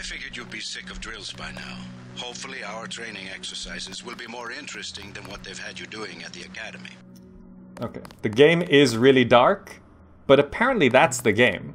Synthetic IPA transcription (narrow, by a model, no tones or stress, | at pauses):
aɪfɪɡjə˞jɨd̚bisɪkʌvdɹɪlˠz̥baɪna̰ʊ | hoʊpfl̩ˠiaʊə˞tʰɹ̥ẽɪ̃nɪ̃ŋɛksə˞saɪzɨzwɪlˠbimɔɹɪ̃nt͡ʃɹ̥ɨstɪ̃ŋðɨ̃nwʌt̪̚ðeɪv̥ɨd͡ʒɨduɪ̃ŋɨt̪̚ðiɨkʰæɾɨmḭ | oʊkʰeɪðɨɡẽɪ̃mɪzɹɪlˠidɑɹk | b̥ʌɾɨpʰɛɹə̃nʔliðætsðɨɡẽɪ̃m